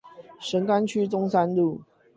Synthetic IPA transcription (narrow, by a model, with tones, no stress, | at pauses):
ʂə˨˦ŋka˦nt͡ɕʰy˦t͡sʊ˥˦ŋsa˦˥nlu˥˨